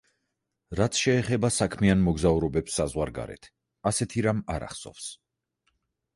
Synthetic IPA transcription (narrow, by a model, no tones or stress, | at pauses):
ɾat̪sʰʃɛːχɛbasakʰmianmɔɡzauɾɔbɛpsːazʁwaɾɡa̰ɾɛ̰t̪ʰ | asɛt̪ʰiɾamaɾa̰χsɔ̰fs